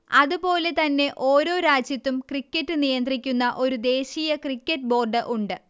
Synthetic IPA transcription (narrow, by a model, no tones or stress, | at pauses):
ɐðupo̞ːle̞t̪ɐnːe̞ʔo̞ːɾo̞ːɾaːd͡ʑjɐt̪ːumkrikʲːɐtːɨnijɐnd̪rikʲːunːɐʔo̞ɾud̪e̞ːɕiːjɐkrikʲːɐʈ̚bo̞ːrɖɨʔuɳɖɨ